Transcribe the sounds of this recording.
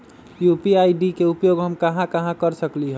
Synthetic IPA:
jupiajɖikeupjoɡɦəmkəɦãkəɦãkəɾsəkliɦ

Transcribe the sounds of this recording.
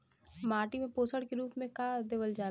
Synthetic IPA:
maːʈimẽpoːsəɽkeɾuːpmẽkaːd̪eʋəld͡ʒaː

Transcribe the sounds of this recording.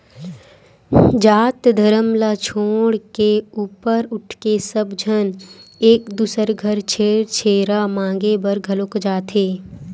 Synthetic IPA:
d͡ʒaːt̪d̪ʱəɾəmlat͡ʃʰoːɽkeuːpəɾʊʈʰkesəbd͡ʒʱəneːkd̪uːsəɾɡʱəɾt͡ʃʰeːɾt͡ʃʰeːɾamãːŋɡebəɾɡʱɐlokd͡ʒaːt̪ʰeː

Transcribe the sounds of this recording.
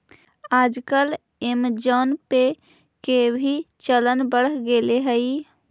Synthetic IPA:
ad͡ʒkəl | emd͡ʒonpe | kebʱit͡ʃələnbəɽɡeleɦəj

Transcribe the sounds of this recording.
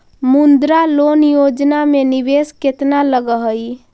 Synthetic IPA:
mund̪ɾalonjod͡ʒnamenibesket̪naləɡəɦəj

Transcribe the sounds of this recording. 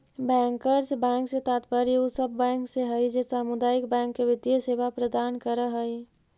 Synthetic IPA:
bɛ̃ːŋkəɾd͡ʒbɛ̃ːŋkset̪aːt̪pəɾiusəbʱːɛ̃ːŋkseɦəjd͡ʒesaːmʊd̪aːjɪkbɛ̃ːŋkːeʋɪd̪jəseːʋapɾəd̪aːnkəɾəɦəi

